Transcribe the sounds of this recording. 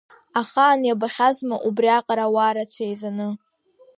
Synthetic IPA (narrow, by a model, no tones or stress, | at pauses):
aχaːnjabaχʲazmaʔubriaqʼaɾawaːɾat͡sʷʰajzanɨ